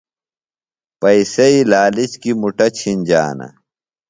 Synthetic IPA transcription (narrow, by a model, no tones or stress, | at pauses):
pɐisɐilaːlit͡ɕkimuʈɐt͡ɕʰinʲd͡ʑa̰ːnɐ̰